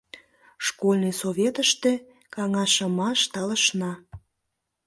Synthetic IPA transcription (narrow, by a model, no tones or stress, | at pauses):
ʃkolʲnɨjsoβʲet̪əʃt̪ĕ | kɑŋɑʃə̆mɑʃt̪ɑləʃnɑ